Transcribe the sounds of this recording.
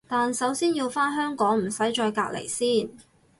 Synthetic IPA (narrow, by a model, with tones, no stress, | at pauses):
t̪aː˨nsɐ˨˥wsiː˥njiː˧wfaː˥nɦœː˥ŋkɔː˨˥ŋm̩˨˩sɐ˨˥jt͡ʃɔː˧jkaː˧k̚lḛ˨˩jsiː˥˩n